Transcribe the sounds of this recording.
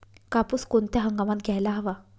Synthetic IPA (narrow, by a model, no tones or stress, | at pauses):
kapuskont̪jaɦəŋɡamat̪̚ɡʱjajlaɦəʋa